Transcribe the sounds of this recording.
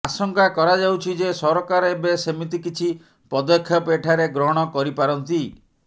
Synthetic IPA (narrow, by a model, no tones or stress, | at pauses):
asɔŋkakɔɾad͡ʒawt͡ʃʰid͡ʒesɔɾɔkaɾɔebesemit̪ikit͡ʃʰi | pɔd̪ɔkʰjɔpeʈʰaɾeɡɾɔɦɔɽ̃ɔkɔɾipaɾɔnt̪i